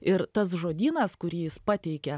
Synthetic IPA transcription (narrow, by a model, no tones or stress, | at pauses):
ɪɾt̪ɐs̬ʒoːd̪ʲiːnɐskʊɾʲiːjɪspɑːt̪ʲɛɪkʲɛ